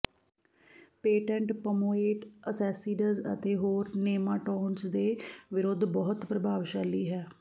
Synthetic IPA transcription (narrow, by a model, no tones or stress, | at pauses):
peːʈɛ̃ɳʈpəmoːeːʈəsɛːsiːɖəzə̰t̪eːɦoːɾneːmaːʈɔːnsd̪eːʋɪɾoːd̪ʱbɔːɦʊt̪pɾəbʱaːʋʃaːliːɦɛː